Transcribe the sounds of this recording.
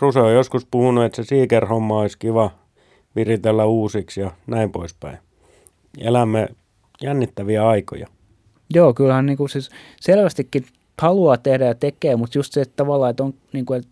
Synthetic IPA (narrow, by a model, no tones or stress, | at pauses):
ruseojoskuspuhunuet̪sesiːkerhomːɑoiskiʋɑ | ʋirit̪elːæuːsiksjɑnæimpo̰ispæ̰i | ḛlæmːe | jænːit̪ːæʋiæɑiko̰jɑ̰ | joːkylhænniːŋkusis | selʋæst̪ikːi | hɑluɑːt̪ehdæjɑt̪ekeːmut̪just̪seett̪ɑʋɑlːɑːet̪oŋ | niːŋkuel